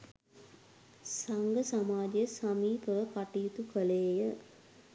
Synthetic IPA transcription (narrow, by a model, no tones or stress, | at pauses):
sɐŋɡəsamaːd͡ʒijəsɐmiːpəʋəkaʈiːt̪ukəleːjə